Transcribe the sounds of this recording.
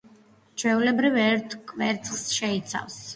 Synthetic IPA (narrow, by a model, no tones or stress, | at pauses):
t͡ʃʰwɛulɛbɾivɛɾt̪ʰkʼvɛɾt̪sʰʼsʃɛit̪sʰa̰vs